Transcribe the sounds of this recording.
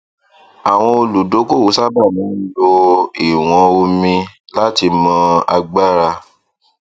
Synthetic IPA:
a˨w̃ɔ̃˧o˧lu˨do˨˦ko˦˨wo˨˦sa˦ba˦˨mĩ˨˦n̩˦lo˧i˨w̃ɔ̃˧o˧mĩ˧la˦ti˧mã˧˦a̰˧ɡ͡ba˦ɾa˧

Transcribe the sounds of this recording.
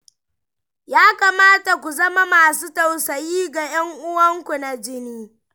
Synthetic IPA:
jaː˦ka˨maː˦ta˨kʷu˨zɐ˦ma˦maː˨suː˦tɐ˨wsɐ˨jiː˦ɡa˨jɐ˦ŋʔʊ˦wɐ˦ŋkʷu˨na˨d͡ʒɪ˦niː˦

